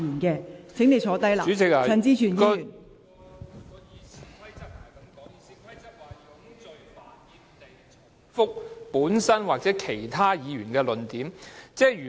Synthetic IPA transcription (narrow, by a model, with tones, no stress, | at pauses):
yː˨˩nkɛː˧t͡sʰɪ˨˥ŋne˨˧jsʰɔː˨˥t̪ɐ˥jla̰˨y˨˥t͡sɪ˨k̚ːɐ˧nt͡siː˥t͡ʃʰyː˨njiː˧yː˨˩n˨˥˨ | fʊ˥k̚puː˨˥nsɐ˥nwaː˨˩k̚t͡sɛː˨˥kʰe˨˩jt̪ʰaː˥jiː˨˧ɥyː˨˩nkɛː˧lɵ˨nt̪iː˨˥mt͡sɛː˨˥yː˨˩